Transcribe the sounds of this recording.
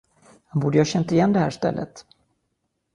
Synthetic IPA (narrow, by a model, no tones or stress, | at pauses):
hanbuːɖ̪əjɑːɕɛnt̪aɪjɛnːd̪ɛhæ̰ːʂt̪ɛ̰lːʔə̰t̪